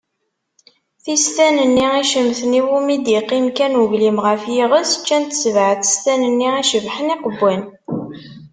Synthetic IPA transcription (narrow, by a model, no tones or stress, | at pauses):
θist̪ænənːiæʃəmθəniwumid̪iqːimkænʊʝlimʁəfjiʁəsə̥t͡ʃːænt̪ə̥svʕəθə̥st̪ænənːiæʃəvħəniqəbːæn